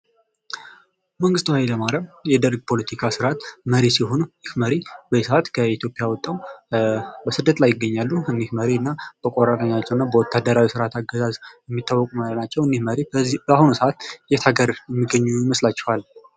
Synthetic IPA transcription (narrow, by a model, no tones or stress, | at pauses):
məŋɡɨst̪wajləmaɾəmjɛd̪əɾɡ̚pʰo̞lət̪ʰikʰasɨɾat̪məɾisiho̞njɪhməɾibəisəat̪kʰəit̪ʰjo̞pʼɪjawɔt̪ʼːaw | bəsɨd̪ːət̪lajːɪɡːəɲːalːuɨnːihməɾiɨnːab̥əkʷʼoɾat̪ʼəɲːat͡ʃːɛwɨnːabəwɔt̪ʰːad̪ːəɾawisɨɾat̪ʰaɡːəzazjɛmːit̪ʰːawːɔkʼumalənat͡ʃːɛwɨnːihməɾibahunusəʔat̪jɛt̪ʰaɡəɾjɛmːiɡəɲːujɪməslat͡ʃːɛhal